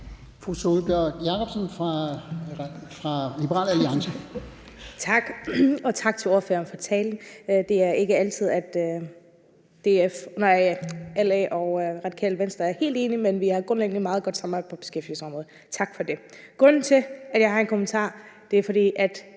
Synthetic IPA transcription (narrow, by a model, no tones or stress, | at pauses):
fʁusolb̥jœɐɡ̥jɑ̈kʰɒb̥sənfʁɑ | fʁɑlib̥əʁɑ̰ːlæliɑ̈ŋsə | t͡sʰɑ̈ɡ̥ɒ̽t͡sʰɑ̈ɡ̥̚t͡sʰe̝ɒːɐfø̰ːɐnfɒ̽t͡sʰɛːln̩d̥e̝æɐe̝ɡ̥əælt͡sʰið̰ˠæd̥ | d̥e̝æɐonɐælɛʔɒʊʁɑ̈d̥ikʰɛ̰ːlʋensd̥ʁɐæɐhe̝̰ːld̥e̝ːnimenʋiɑ̈ɡ̥ʁɔ̽nleɡ̥n̩mɑ̈ːð̞̩ˠɡ̥ɒ̽d̥sɑ̈mbɑɪpʰɒ̽b̥e̝sɡ̥efd̥ḭl̩səɒ̽mʁɔ̽ð̩ˠt͡sʰɑ̈ɡ̥fɒ̽d̥e̝ | ɡ̥ʁɔ̽nn̩t͡sʰe̝æd̥jɑ̈ɪɦɑ̈e̝nkʰo̝mənt͡sʰɑ̰̈ːd̥e̝æɐfɒ̽ɾ̥ḭːʔæd̥